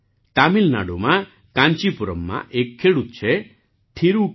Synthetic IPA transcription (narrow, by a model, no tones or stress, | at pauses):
t̪amilna̰ɽuma | kaɲt͡ʃipuɾɔmːa̰ʔekʰːeɽut̪̚t͡ʃʰe | ʈʰiɾu